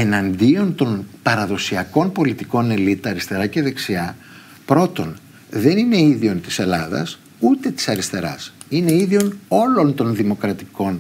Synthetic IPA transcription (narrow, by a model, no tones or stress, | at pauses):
e̞nɐnd̪io̞nt̪o̞npɐɾɐðo̞siɐko̞npo̞lit̪iko̞ne̞lit̪ɐɾist̪e̞ɾɐce̞ðe̞ksiɐ | pɾo̞t̪o̞n | ðe̞nine̞iðio̞nt̪i̥se̞lɐðɐ̰s | ut̪e̞t̪i̥sɐɾist̪e̞ɾɐ̰sine̞iðio̞no̞lo̞nt̪o̞nðimo̞kɾɐt̪iko̞n